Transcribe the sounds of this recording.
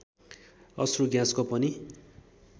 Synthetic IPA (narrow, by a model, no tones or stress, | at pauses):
ʌ̰sruɡjãskopʌni